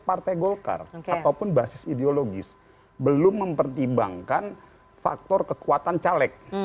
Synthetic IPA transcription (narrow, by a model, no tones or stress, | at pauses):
part̪ajɡolka̰rat̪awpʊnbasɪsideoloɡɪs | bəlʊmːəmpərt̪ibaŋkan | fa̰k̚t̪ɔrkəkuat̪ant͡ʃalɛk̚